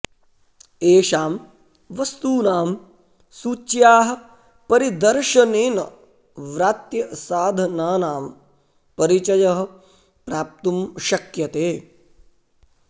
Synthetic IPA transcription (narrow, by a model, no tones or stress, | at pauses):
eːʃaːm | ʋɐst̪uːnaːm | suːt͡ʃjaːɦɐ̆ | pɐɾid̪ɐɾʃɐneːnɐ̰ | ʋɾaːt̪jɐsaːd̪ʱɐnaːnaːm | pɐɾit͡ʃɐjɐɦɐ̆ | pɾaːp̚t̪umʃɐkjɐt̪eː